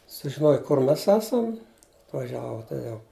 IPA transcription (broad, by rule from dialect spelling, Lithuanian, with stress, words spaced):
sʊʒʲɪˈnoːj kʊr ˈmʲɛs ˈæːsɐm ɐtʋɐˈʒʲæːʋoː toːˈjɛʊ